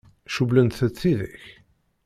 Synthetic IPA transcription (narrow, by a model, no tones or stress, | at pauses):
ʃublənt̪θət̪t͡sːiðə̰ç